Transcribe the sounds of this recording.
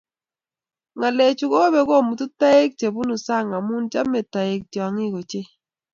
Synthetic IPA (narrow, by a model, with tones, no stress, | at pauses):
ŋa˨le˨t͡ʃu˨ko˦be˦ko˦˨mu˨tu˦ta˦e˦k̚t͡ʃe˨bu˦nu˨sa˦˨ŋa˨mu˦nt͡ʃa˦me˨ta˨ɪ˨k̚tjɔ˨ŋi˦ko˨t͡ʃe˦